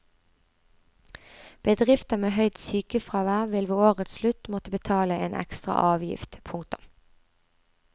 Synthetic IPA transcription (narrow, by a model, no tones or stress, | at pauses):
b̥əd̪ʁɪft̪əmeːɦœʏd̪syːkəfʁɑːʋæːʁʋɪlʋeːoːʁət̪slʉt̪mɔt̪əbət̪ʰɑːləeːnʔɛ̰kst̪ʁɑ̰ʔɑːʋjɪ̰ft̪pʰʊŋk̚t̪ʊm